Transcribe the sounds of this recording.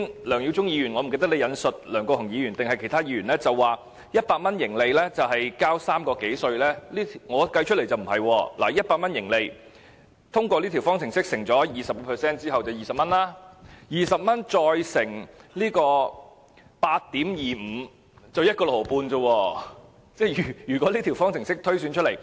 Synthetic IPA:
nlœː˨˩ŋji˨˧wt͡sʊ˥ŋjiː˧jyː˨˩nŋɔ˨˧m˨˩ke˧jt̪ɐ˥k̚le˨˧jɐ˨˧nsɵ˨t̚lœː˨˩ŋkɔ˧hʰʊ˨˩ŋjiː˨˧jyː˨˩nt̪ɪ˨ŋhɐ˨jkʰe˨˩jt̪ʰaː˥jiː˨˧ɥyː˨˩nlɛː˥t͡sɐ˨wːaː˨ | jɐ˥t̚paː˧t̚mɐ˥njɪ˨˩ŋle˨jlɛː˥t͡sɐ˨wɦɐ˨jkaː˥wsaː˥mkɔː˧ke˨˥jsɵ˧ɥlɛː˥liː˥t̪ʰŋɔː˨˧kɐ˧jt͡ʃʰɵ˥t̚le˨˩jt͡sɐ˨wm̩˨˩hɐ˨jwɔː˧laː˨˩jɐ˥t̚paː˧t̚mɐ˥njɪ˨˩ŋle˨˧j | t̪ʰʊ˥ŋkʷɔː˧liː˥t̪ʰi˨˩fɔː˥ŋt͡sʰɪ˨˩ŋsɪ˥k̚sɪ˨˩ŋt͡sɔː˨˥jiː˨sɐ˨p̚kɔ˧pʰɛː˨sɛː˥nt͡siː˥hɐ˨wt͡sɐ˨wjiː˨˩sɐ˨p̚mɐ˥nlaː˥jiː˨sɐ˨p̚mɐ˥nt͡sɔː˧jsɪ˨˩ŋliː˥kɔː˧ | paː˧t̚t̪iː˨˥mjiː˨m̩˨˧ | t͡sɐ˨wjɐ˥t̚kɔː˧lo˨˩lo˨˩puː˧nt͡sə˧wɔː˧ | t͡sɛː˥jyː˨˩jyː˨˩kʷɔː˨˥li˥t̪ʰi˨˩wfɔː˥ŋt͡sʰɪ˨˩ŋsɪ˥k̚t̪ʰɵ˥ɥsy˨˧nt͡ʃʰɵ˥t̚le˨˩j

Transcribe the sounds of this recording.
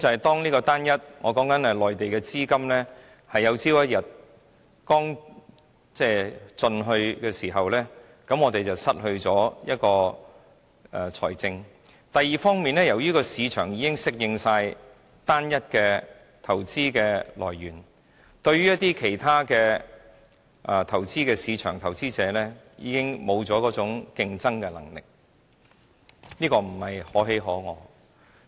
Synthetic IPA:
t͡sɐ˨hɐ˨˩jt̪ɔː˥ŋniː˥kɔː˧t̪aː˥njɐ˥t̚ŋɔː˨˧kɔː˨˥ŋkɐ˨˥nɛ˧lɔː˨jt̪e˨jkɛː˧t͡siː˥kɐ˥mlɛː˥ | hɐ˨jːɐ˨˧wt͡siː˥wjɐ˥t̚jɐ˨t̚ | kɔː˥ŋ | t͡sɛː˥˩t͡sɵ˧nɦɵ˧ɥkɛː˧siː˨˩ɦɐ˨wlɛː˥ | kɐ˨˥mŋɔː˨˧t̪e˨jt͡sɐ˨wsɐ˥t̚hɵ˧ɥt͡sɔː˨˥jɐ˥t̚kɔː˧ | ɛ˨˩t͡sʰɔː˨˩jt͡sɪ˧ŋ | t̪ɐ˨jːiː˨fɔː˥ŋmiː˨nlɛː˥jɐ˨˩wjyː˥kɔː˧siː˨˧t͡ʃʰœː˨˩ŋjiː˨˧kɪ˥ŋsɪ˥k̚jɪ˧ŋsaː˧j | t̪aː˥njɐ˥t̚kɛː˧ | t̪ʰɐ˨˩wt͡siː˥kɛː˧lɔ̰ː˨˩jɥyː˨˩n | t̪ɵ˧ɥyː˥jɐ˥t̪iː˥kʰe˨˩jt̪ʰaː˥kɛː˧ | ʔa˧t̪ʰɐ˨˩wt͡siː˥kɛː˧siː˨˧t͡ʃʰœ̰ː˨˩ŋt̪ʰɐ˨˩wt͡siː˥t͡sɛː˨˧lɛː˥jiː˨˧kɪ˥ŋmo˨˧wt͡sɔː˨˥kɔː˨˥t͡sʊ˨˥ŋkɪ˧ŋt͡sɐ˥ŋkɛː˧lɐ˨˩ŋlɪ̰˨k̚ | niː˥kɔː˧m̩˨˩hɐ˨jhɔː˨˥ɦe˨˧˥jɦɔː˨˥ŋɔː˨˧

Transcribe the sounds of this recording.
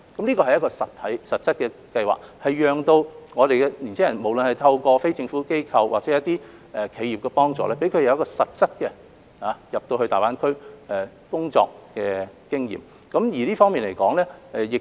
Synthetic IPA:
kɐ˨˦mliː˥kɔː˧hɐ˨jɐ˥tkɔː˧sɐ˨t̪ʰɐ˨˥jsɐ˨t̚t͡sɐ˥t̚kɛ˧kɐ˧jwa̰ː˨k̚hɐ˨jːœː˨ŋt̪o˧wŋɔː˨˧ɾe˨jkɛ˧li˨˩nt͡sʰɪ˥ŋjɐ˨˩nmo˨˩wlə˨nhɐ˨jt̪ʰɐ˧wkɔː˧fe˥jt͡sɪ˧ŋfuː˨˥ke˥jkʰɐ˧wwʔa̰ː˨k̚t͡sɛː˨˥jɐ˥t̪iː˥ | ɛ˨˧kʰe˨˧ji˨p̚kɛ˧pɔː˥ŋt͡sɔ̰ː˨˧lɛː˥pe˨˥jkʰɵ˨˧ɥjɐ˨˧wjɐ˥kɔː˧sɐ˨t̚t͡sɐ˥t̚kɛ˧ | haː˨˦jɐ˨p̚t̪o˧whɵ˧ɥt̪aː˨jpaː˨˥nkʰɵ˥ɥʔɛ˨˧ | kʊ˥ŋt͡sɔ̰ː˧k̚kɛː˧kɪ˥ŋjḭː˨˩m | kɐ˨˥mjiː˨˩liː˥fɔː˥ŋmiː˨nle˨˩jkɔː˨˥ŋlɛː˥ɛ˨jɪ˨k

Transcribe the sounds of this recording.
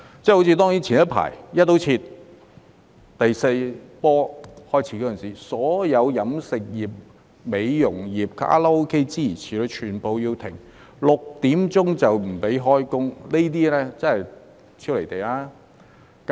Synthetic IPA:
t͡sɛː˥˩ho˧˥t͡sʰiː˧t̪ɔː˥ŋji˨˥nt͡sʰiː˨˩njɐ˥t̚pʰa̰ː˨˩jjɐ˥t̪̚ːo˨˧˥wt͡sʰiː˧t̪̚ | t̪ɐ˨jse˧jpɔː˥hɔː˥jt͡sʰiː˧˥kɔː˨˧˥ə˨nsiː˨˩sɔː˨˥jɐ˨˧wjɐ˨˧˥msɪ˨k̚jiː˨p̚ | me˨˧jjʊ˨˩ŋjiː˨p̚ka̰ː˥lɐ˥o˥wkʰe˥jt͡siː˥ji˨˩t͡sʰiː˨˩lo˨˧t͡ʃʰyː˨˩npo˨wjiː˧wt̪ʰɪ̰˨˩ŋ | lʊ˨k̚t̪iː˨˥mt͡sʊ˥ŋt͡sɐ˨wm̩˨˩pe˨˥jɦɔː˥jkʊ˥ŋne˥t̪̬iː˥lɛː˥t͡sɐ˥nhɐ˨j | t͡sʰiː˥wle˨˩jt̪e˨jaː˥ | k

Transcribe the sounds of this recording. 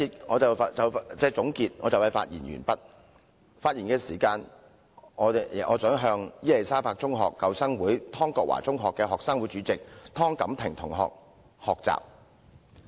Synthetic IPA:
iː˨t̚ŋɔː˨˧t͡sɐ˨wt͡sɐ˨wt͡sɛː˥t͡sʊ˨˥ŋkiː˧t̚ŋɔː˨˧t͡sɐ˨˩whɐ˨jfa̰ː˧t̚jiː˨˩nɥy̰ː˨˩npɐ˥t̚ | faː˧t̚jiː˨˩nkɛː˧siː˨˩kaː˧n | ɔː˨˧˨ʔɔ̰ː˨˧t͡sœː˨˥ŋɦœː˧ŋjiː˥le˨˩jsaː˥paː˧k̚t͡sʊ˥ŋɦɔ̰ː˨kːɐ˨˧wsɐ˥ŋwuː˨˥jt̪ʰɔː˥ŋkɔː˧k̚wa̰ː˨˩t͡sʊ˥ŋɦɔː˨kːɛː˧ɦɔː˨ksaː˥ŋwu˨˥jt͡ʃyː˨˥t͡sɪ˨k̚t̪ʰɔː˥ŋkɐ˨˥mt̪ʰɪ˨ŋt̪ʰʊ˨˩ŋɦɔ̰ː˨k̚ | hɔː˨k̚t͡sa̰ː˨p̚

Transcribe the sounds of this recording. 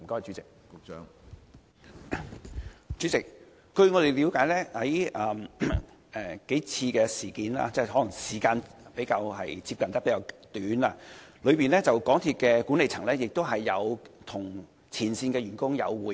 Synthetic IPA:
m̩˨˩kɔː˥t͡ʃy˨˧˥t͡sɪ˨˩k̚kːŋ | t͡ʃy˨˥t͡sɪ˨k̚ | kɵ˧ɥŋɔ˨˧d̪e˨jli˨˧wkaː˨˥jlɛː˥hɐ˨˥jʔɐː˨m | ʔɛ˨˧ke˨˥jt͡sʰiː˧kɛː˧siː˨˩kiː˨˥nla̰ː˧t͡sɛː˥˩ɦɔ˨˥lɐ˨˩ŋsiː˨˩kaː˧npe˨˥jkaː˧wɦɐ̰˨jt͡si˧p̚kɐ˨nt̪ɐ˥pe˨˥kaː˧t̪yː˨˥naː˧lɵ˨˧ɥpiː˨nlɛː˥t͡sɐ˨wkɔː˨˥ŋt̪ʰi˧t̚kɛː˧ku˨˥nle˨jt͡sʰɐ˨˩ŋlɛː˥jɪ˨k̚t̪o˥wɦɐ˨jːɐ˨˧wt̪ʰʊ˨˩ŋ | t͡sʰiː˨˩nsiː˧nkɛː˧ɥyː˨˩nkʊ˥ŋjɐ̰˨˧wwuː˨˩

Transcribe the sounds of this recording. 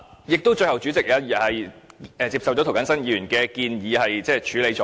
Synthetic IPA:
jɪ˨k̚t̪o˥wt͡ʃɵ˧jhɐ˨wt͡ʃyː˨˥t͡sɪ˨k̚aː˨˥jɐ˨hɐ˨jɛː˨t͡siː˧psɐ˨wt͡ʃɔ˨˥t̪ʰwkɐ˨˥nsɐ˥njiː˧˥jy˨˩nkɛː˧kiː˧njiː˨˧hɐ˨jt͡sɛː˥˩t͡ʃʰyː˨˥le˨˧jt͡ʃɔ˨˧

